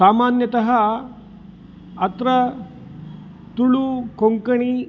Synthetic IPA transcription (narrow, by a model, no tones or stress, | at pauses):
saːmaːnjɐt̪ɐɦɐ | ɐt̪ɾɐ | t̪uɭuːkoŋkɐɳi